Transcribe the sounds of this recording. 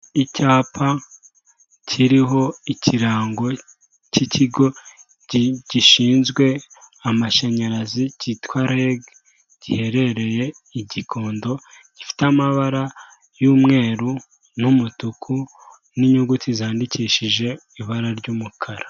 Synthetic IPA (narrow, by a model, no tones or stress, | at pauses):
icaːpʰa | cʰiɾiɦo̞icʰiɾaːŋɡo̞ | cicʰiɡo̞ | ɟ̥iʃiːnzɡwe̞amaʃaɲaɾazicitwaːɾeɡ | ɟ̥ihe̞ɾe̞ɾe̞je̞ | iɟikʰo̞ːndo̞ | ɟ̥ifi̥tamaβaɾa | juːmŋe̞ːɾu | numutukʰu | niɲuɡutizaːndiciːʃiʒe̞ | iβaɾaɾɟuːmukʰaɾa